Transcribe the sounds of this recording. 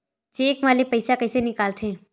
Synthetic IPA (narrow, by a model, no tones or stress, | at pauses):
t͡ʃeːkʋaːlepɐɪsakɐɪsenɪkaːlt̪ʰeː